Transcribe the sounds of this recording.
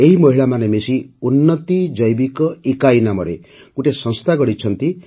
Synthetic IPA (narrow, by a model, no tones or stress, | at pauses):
eɦimʌɦiɭamanemesiunːʌt̪id͡ʒʌjbikɔikajnamʌɾḛ | kuʈesʌ̃nst̪ʰaɡɔɽit͡ʃʰʌnt̪i